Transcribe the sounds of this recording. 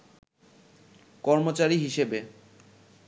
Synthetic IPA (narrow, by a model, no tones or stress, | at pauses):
kɔɾmot͡ɕaɾiɦiʃebe